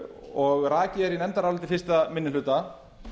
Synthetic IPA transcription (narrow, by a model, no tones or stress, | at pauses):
ɔɣraːcɪɛɾinɛnt̪aɾalt̪ɪfɪɾst̪amɪnːɪʏːt̪a